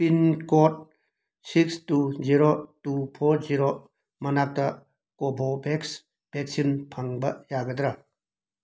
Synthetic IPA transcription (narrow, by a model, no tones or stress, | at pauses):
pinkɔt̚ | sikstuziɾotupʰɔɾziɾo | mɐnak̚tɐ | kobʱɔbeks | b̥eksinpʰaŋbɐjaɡɐd̪ɾa